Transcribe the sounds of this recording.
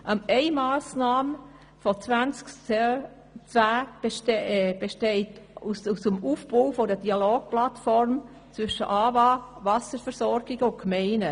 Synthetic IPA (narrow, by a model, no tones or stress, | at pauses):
ʔɑmɛɪmaːsnɑːm | fɔt͡svænt͡sk | t͡sʋæ̥ː | b̥eʃteɪtususəmuːfbowfɔdədiɑloːɡ̥̚plɑtfɔɾm | t͡sʋʏʃə̰ʔɑːvɑːvɑsəɾfəɾsɔɾɡ̥ɪɡ̥əʊnkmeɪnə